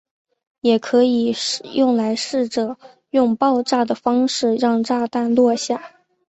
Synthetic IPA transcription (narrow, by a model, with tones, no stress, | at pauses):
jɛ˨˩kʰɤ˧˥i˨˩jʔʊ˥˩ŋla˧˥ɪʂɻ̩˥˩ʈ͡ʂɤ˨˩˦ | jʊ˥˧ŋpɑ˥˧ʊʈ͡ʂa˥˩d̪ə˩fɑ˥ŋʂɻ̩˥˧ɻɑ˥˧ŋʈ͡ʂa˥˧t̪a˥˧nlwɔ˥˧ɕja˥˩